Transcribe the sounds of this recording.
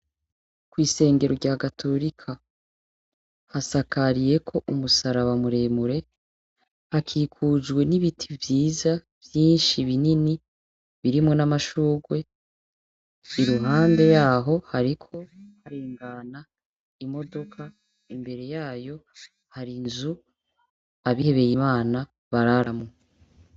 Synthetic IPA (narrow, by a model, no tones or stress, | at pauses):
kwiːse̞ːŋɡe̞ɾoɾɟaːɡatʰo̞ɾikʰa | hasakaɾije̞kʰo̞ʔumusaɾaβamuɾe̞ːmuɾe̞ | hakʰiːkʰud͡ʒɡwe̞niβitʰivjiːza | v̥jiːnʃiβinini | βiɾimŋo̞namaʃuːɡwe̞ | iɾuɦaːmde̞jaːɦo̞haɾikʰo̞haɾeːŋɡana | imo̞do̞kʰa | imbe̞ɾe̞jaːjo̞ | haɾinzu | aβiheβe̞jimaːna | βaɾaɾamŋe